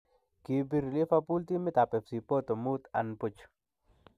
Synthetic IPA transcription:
ki˨biɾli˦fapu˦lt̪i˦mɪ˦t̪a˨pɛ˨fsi˨po˦t̪o˨mut̪a̰˨npʊt͡ʃ

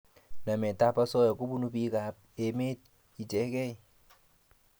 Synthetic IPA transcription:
na˨mɛ˨ta˦pa˦sɔ˦jɔ˨ku˦bu˦nu˦pi˦ka˨p̚ | e˨me˦t̚ | i˨tɛ˨˦kɛ˦i˦˨

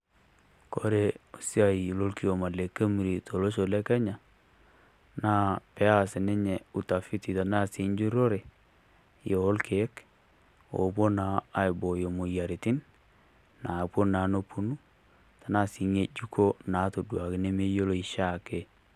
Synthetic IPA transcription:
ko˦ɾe˦o˨si˦a˨i˨lo˦lki˦o˨ma˨le˨ke˦mi˨ɾi˨tʰo˨lo˦ʃo˨lɛ˦kɛ˦ɲa˨ | naː˦pɛ˦a˦˨sɪ˨ne˦ɲɛ˨u˨ta˨fi˦ti˨ta˨na˦si˨˦ɲd͡ʒu˦ɾo˦ɾe˨ | joː˨˦lkʰe˨˦k | o̰˨bo˦naː˨˦ɪ˨bo˨jo˨mo˨ja˨ɾi˨tɪ˦n | na˨pwo˦na˨˦no˦pu˦nu˦ | ta˨na˦si˨˦ŋe˦d͡ʒu˦ko˦na˨˦to˨dwa˨kɪ˦ne˦me˦jo˦lo˦i˨ʃa˦˨ke˨

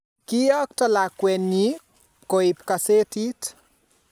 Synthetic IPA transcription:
ki˦ɔ˦k̚tɔ˦la˨kwɛ˨ni˦ | koi˨pka˨se˦ti˦t

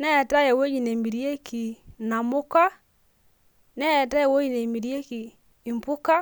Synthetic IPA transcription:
nɛ˦˨ta˦jɛ˨wo˦d͡ʒi˨ne˨mi˨ɾje˦kʰi˨na˨mʊ˦ka˦ | nɛ˦˨ta˦jɛ˨wo˦d͡ʒi˨ne˨mi˨ɾi˦e˦kiː˨ | mpʊ˦ka˦

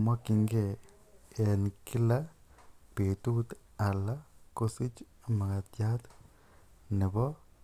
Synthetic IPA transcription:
ma˦kɪ˦ŋɡe˦˨ | e˨nkɪ˦la˦ | pe˨tu˦t̪ | a˨la˦ko˦sɪ˦t͡ʃma˨ka˨tja˦t̪ | nɪ˨bɔ˦

